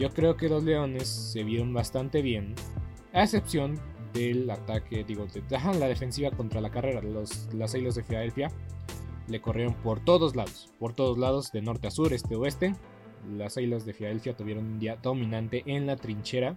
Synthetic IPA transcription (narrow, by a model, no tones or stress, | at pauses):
ɟ͡ʝo̞kɾe̞oke̞lo̞zle̞o̞ne̞sːe̞βjeɾo̞nbast̪ant̪e̞βje̞n | aese̞psjo̞nd̪e̞lat̪akeðiɣo̞ðeðaxanlað̞e̞fe̞nsiβako̞nt̪ɾalakare̞ɾaloslasajlazðe̞filaðe̞lfja | le̞ko̞rje̞ɾonpo̞ɾt̪o̞ðo̞zlaðo̞spo̞ɾt̪o̞ð̞o̞zlað̞o̞zðeno̞ɾt̪easuɾe̞st̪e̞oe̞st̪e̞ | lasajlazðe̞filað̞e̞lfjat̪uβje̞ɾo̞nũnd̪iaðo̞mĩnãnt̪e̞ʔenlat̪ɾint͡ʃe̞ɾa